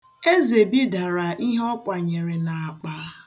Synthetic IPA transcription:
e˦ze˨bi˦da˨ɾa˨ʔi˦ɦɔ˦kʷa˨ɲe˨ɾe˨na˨a˨k͡pa˨ɾa˦

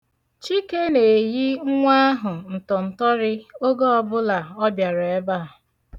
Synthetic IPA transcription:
t͡ʃi˦ke˦ne˨ji˦ŋʷa˦ɦʊ˨n̩˨tɔ˨n̩˨tɔ˦ɾɪ˦o˦ɡo˦ɔ˦bʊ˦la˨ɔ˦bja˨ɾɔ˨e˦ba˦˨

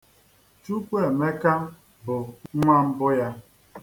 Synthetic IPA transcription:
t͡ʃu˦k͡pe˦˨me˦ka˦ | bʊ˨˦ŋʷa˦m̩˦bʊ˦ja˦

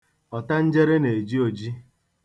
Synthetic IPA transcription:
ɔ˨ta˦n̩˦d͡ʒe˦ɾe˦ne˨e˨d͡ʒi˦o˨d͡ʒi˦

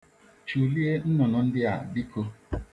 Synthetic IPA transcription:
t͡ʃu˨li˦e˦n̩˦nɔ˨nɔ˨n̩˦dɪ˦a˨bi˦kʰo˦

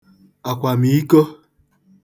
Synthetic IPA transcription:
a˨kʷa˨mi˨i˦ko˦

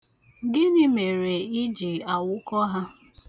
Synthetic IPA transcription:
ɡɪ˦nɪ˦me˨ɾe˨i˦d͡ʒi˨a˨wʊ˦kɔ˦ɦa˦

